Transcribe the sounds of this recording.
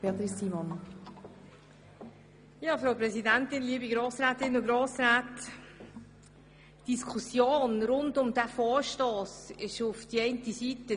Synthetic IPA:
peːɐt̪ɾɪsiːmɔn | jɑːfɾawpɾɛsidæntɪnliːəbiɡɾoːsɾæːtɪnʊɡɾoːsɾaːt | d̥iskʰusjoːnɾʊndʊmdæfɔːɹʃtoːsɪʃʊfd̥iɛɪntisitə

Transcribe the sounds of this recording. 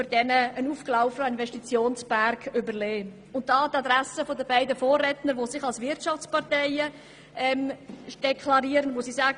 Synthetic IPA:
øɾd̥ɛnəənuːfklaʊfəəɪnvɛʃtit͡sjoːnsb̥æɾkʏbəɾleː | ʊnt̚dɑːtɑd̪ɾæsəfodəbæɪdəfoːrːɛtnəɾʋosɪχɑlsvɪɾtʃɑft͡spɑɾtɛɪə | ɛmd̥ɛkʰlɑɾiːəɾənmosisaːɡ

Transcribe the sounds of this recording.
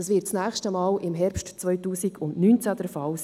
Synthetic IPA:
ɑsʋɪtt͡snæːχʃtəmɑːlʔɪmɦɛɾpʃtt͡sʋœʏtuːsiɡʰʊndnyːnt͡sæd̥ɛɾfɑls

